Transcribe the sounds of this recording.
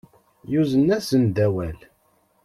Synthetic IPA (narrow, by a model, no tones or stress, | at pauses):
juzənːæsənd̪æwæl